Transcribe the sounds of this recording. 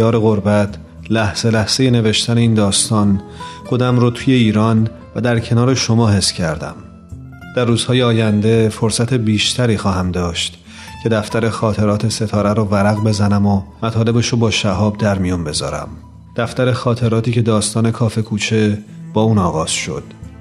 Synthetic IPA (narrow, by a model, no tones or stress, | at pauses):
jɒːɾe̞ɣo̞ɾbæt̪ʰ | læhz̥e̞læhz̥e̞je̞ne̞ve̞ʃt̪æne̞iːnd̪ɒːst̪ɒːnxo̞d̪æmɾoːt̪ʰuje̞iːɾɒːn | væd̪æɾcʰe̞nɒːɾe̞ʃo̞mɒːɦe̞sːcʰæɾd̪æ̰m | d̪̥ærːuːz̥hɒːjeɒːjænd̪e̞fo̞ɾsæt̪ʰe̞biːʃt̪ʰæɾiːxɒːɦæmd̪ɒːʃt̪ | cʰe̞d̪æft̪æɾe̞xɒːt̪ʰe̞ɾɒːt̪ʰe̞se̞t̪ʰɒːɾæɾɔvæɾæɣbe̞zænæmomæt̪ʰɒːle̞beʃobɒːʃæɦɒːb̚d̪æɾmijɔnbe̞zɒ̰ːɾæ̰m | d̪̥æft̪æɾe̞xɒːt̪ʰe̞ɾɒːt̪iːcʰe̞d̪ɒːst̪ɒːne̞kʰɒːfe̞kʰuːt͡ʃʰe̞b̥ɒːuːnɒːɣɒːz̥ʃo̞̰d̪̥